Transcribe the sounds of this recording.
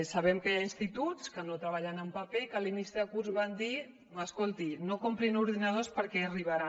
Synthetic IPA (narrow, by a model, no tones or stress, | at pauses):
saβɛmkəjainst̪it̪ut͡skənot̪ɾəβaʎanəmpapekəlinisðəkuɾzβand̪i | əskolˠt̪inokompɾinuɾðinəðospəɾkɛəriβaɾa